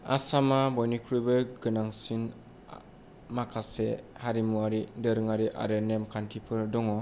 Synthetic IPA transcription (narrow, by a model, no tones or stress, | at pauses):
a̰samabɔjnikʰɾubɯɡɯnaŋsin | makʰasehaɾimuaɾidɯɾɯŋaɾiʔa̰ɾɯnemkʰantʰipʰɯɾdɔŋɔ